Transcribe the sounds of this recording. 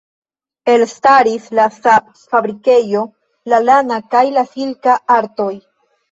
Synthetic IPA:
e̞lstaɾislafa | fabɾike̞jo̞ | lalanakajlafilkaaɾto̞j

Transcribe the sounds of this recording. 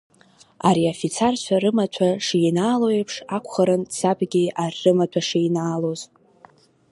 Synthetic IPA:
a̰ɾiafit͡sʰart͡ɕʷʰaɾɨmatʷʰaʂijnaːlojepʰʂakʷʰχəɾɨnsabɡʲiarːɨmatʷʰaʂijnaːloz

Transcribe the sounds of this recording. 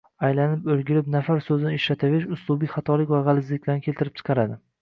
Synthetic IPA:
ajlanɪpɵlɡʲɪlɪp̚nafaɾsɵzɪnɪɪʃɾat̪ʰaveʃʊslˠubijχɑt̪ʰɒlɪkʲvaʁɑlɪzlɪkʲlaɾnkʲʰe̞lt̪ɪɾɪp̚t͡ʃʰɨ̥qʰɑɾad̪ɪ

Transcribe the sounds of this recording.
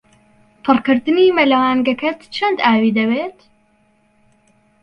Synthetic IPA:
pʰɨrkɨɾd̪ɨniːmɐlɐwaːnɡɐkɐt̪t͡ʃʰɐnd̪aːwiːd̪ɐβeːt̪

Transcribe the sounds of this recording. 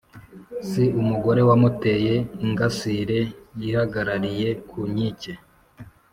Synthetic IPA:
siumuɡo̞ɾe̞wamute̞ːje̞iŋɡasiɾe̞jihaɡaɾaɾije̞kʰuɲice

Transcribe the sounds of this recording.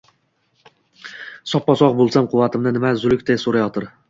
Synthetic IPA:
sɒpːɒsɒq̚bolˠsamqʰʊwvːat̪ʰɪmnɪnɪmazʊlɪkʲt̪ʰasoɾajɒt̪ʰɪɾ

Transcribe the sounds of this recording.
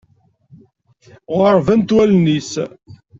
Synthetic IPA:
ʁəɾˤvænt̪wælnis

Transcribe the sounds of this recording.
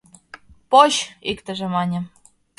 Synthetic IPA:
poɕikt̪ə̆ʒĕmɑnʲĕ

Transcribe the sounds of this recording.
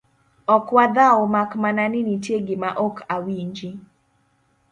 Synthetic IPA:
ɔkwad̪aomakmananɪnitjeɡɪmaʔɔkʰawiɲd͡ʒi

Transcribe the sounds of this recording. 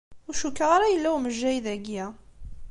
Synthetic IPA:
ʊɾʃukːəʁaɾajəlːæwməʒːæjðæɡjæ

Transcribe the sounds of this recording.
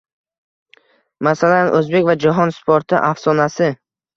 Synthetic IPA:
masalanʔɵzbe̞kʲvad͡ʒaɦɒnspʰoɾt̪ʰɪʔafsɒnasɪ

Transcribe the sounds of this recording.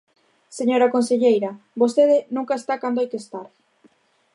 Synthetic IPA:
seɲoɾakonseʎejɾɐ | bost̪eðɪnũŋkaest̪akand̪oajkest̪aɾ

